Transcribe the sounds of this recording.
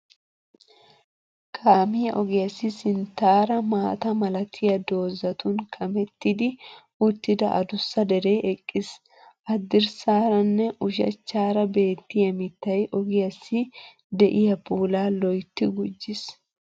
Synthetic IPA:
kʰʼaːmɪjɐʔɔɡɪjɐsːɪsɪnt̪aːɾɐmaːt̪ɐmɐlɐt̪ʰɪjɐd̪o̞ːzɐt̪ʊnkʰɐmɛt̪ːɪd̪ɪ | ʊt̪ːɪd̪ɐ̰ʔɐ̰d̪ʊsːɐd̪ɛɾeːʔɛkʼːɪs | ʔɐd̪ːɪɾsaːɾɐnːɛʔʊʃɐ̰t͡ʃːaːɾɐbe̞ːt̪ːɪjɐmɪt̪ːɐjʔɔɡɪjɐsːɪ | d̪ɛʔɪjɐpuːlaːlɔjt̪ːɪɡʊd͡ʒːɪs

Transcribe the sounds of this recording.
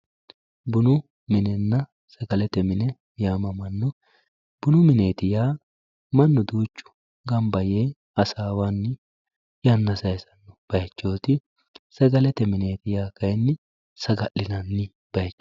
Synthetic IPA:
bʊnʊ | mɪnɛnːɐ | sɐɡɐlɛt̪ɛmɪnɛ | jaːmɐmɐnːɔ | b̥ʊnʊmɪneːt̪ɪjaː | mɐnːɔd̪uːt͡ʃːʊ̥ | ɡɐmbɐjeː | ɐsaːwanːɪ | janːɐsɐjsɐnːɔb̥ɐjt͡ʃːo̞ːt̪ɪ | sɐɡɐlɛt̪ɛmɪne̞ːt̪ɪjaːkɐjnːɪ | sɐɡɐʔɪnɐnːɪ | b̥ɐjt͡ʃː

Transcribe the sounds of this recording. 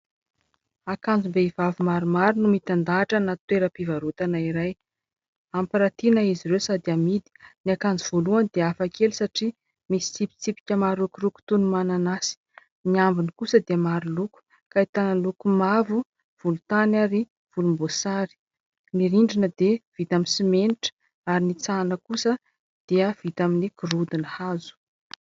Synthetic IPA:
akand͡zumbeivavumaɾumaɾunumit̪and̪aːʈ͡ʂənat̪weɾəpivaɾut̪anaiɾaj | ampiɾat̪inaiziɾewsad̪iamid̪i̥niakand͡zuv̥oluand̪eafakelusaʈ͡ʂi | misi̥t͡sipi̥t͡sipi̥kʲəmaɾukuɾuku̥t̪unumananasi̥ | niambinikusəd̪emaɾiluku̥ | kait̪analukumavu | v̥ulut̪anaɾi | v̥ulumbosaɾi̥ | niɾiɳɖ͡ʐinəd̪ev̥it̪aminsimeniʈ͡ʂə̥ | aɾinit͡sanəkusə | d̪̥iəv̥it̪aminikurud̪inəhazu̥

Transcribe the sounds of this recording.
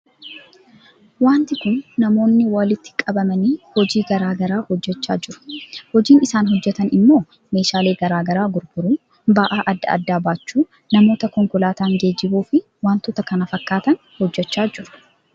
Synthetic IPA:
waːnt̪ɪkʊnːɐmo̞ːnːɪwɐlɪt̪ːɪ̥kʼɐbɐmɐniːhɔd͡ʒiːɡɐɾaːɡɐɾaːhɔd͡ʒːɛt͡ʃːa̰ːd͡ʒɪɾʊ̥hɔd͡ʒiːnɪsaːnɦɔd͡ʒːɛt̪ɐnɪmːo̞ː | me̞ːʃaːle̞ːɡɐɾaːɡɐɾaːɡʊɾɡʊɾuː | baʔaːʔɐd̪ːɐ̰ɐ̰d̪ːaːbaːt͡ʃːuː | nɐmo̞ːt̪ɐkɔŋkʊlaːt̪aːŋɡe̞ːd͡ʒːɪbuːfɪ | waːnt̪ʊt̪ɐkɐnɐfɐkːaːt̪ɐn | hɔd͡ʒːɛt͡ʃːaːd͡ʒɪɾʊ̥

